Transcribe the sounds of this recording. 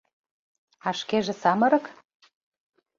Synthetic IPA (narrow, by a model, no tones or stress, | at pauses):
ɑʃkeʒĕsɑmɤ̆ɾɤ̆k